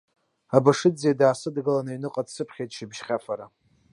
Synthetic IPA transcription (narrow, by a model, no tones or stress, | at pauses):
abaʂɨd͡zeadaːsɨdɡɨlanainɨqʼadsɨpʰχʲejtʼʂibʒχʲafaɾa